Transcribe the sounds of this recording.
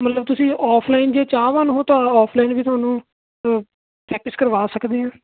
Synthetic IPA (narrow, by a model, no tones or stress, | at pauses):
mət̪ləb̚t̪ʊsĩːʔɔːpʰlaːɪnd͡ʒeːt͡ʃaːʋaːnɦoːt̪ãːɔːpʰlaːɪnʋiːt̪ʊaːnũː | pɾɛːk̚ʈɪskəɾʋaːsəkd̪eːɦãː